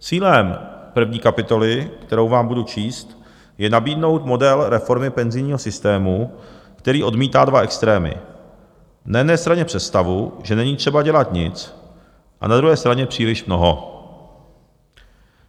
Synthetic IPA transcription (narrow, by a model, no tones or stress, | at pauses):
t͡siːlɛmpr̩vɲiːkapɪt̪o̞lɪkt̪ɛɾo̞wvaːmbudut͡ʃiːst̪ | jɛnabiːdno̞wt̪mo̞dɛlɾɛfo̞ɾmɪpɛnzɪjɲiːɦosɪst̪ɛːmukt̪ɛɾiːʔo̞dmiːt̪aːdvaʔɛkst̪ɾɛːmɪ̰ | najɛdnɛːst̪ɾaɲɛpr̝̥ɛt̪st̪avuʒɛnɛɲiːt̪r̝̥ɛbaɟɛlat̪ɲɪt͡s | ʔa̰nad̪ɾuɦɛːst̪ɾaɲɛpr̥iːlɪʃmno̞ɦo